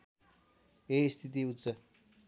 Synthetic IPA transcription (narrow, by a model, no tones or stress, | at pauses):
est̪ʰit̪̬iut̪t͡sʌ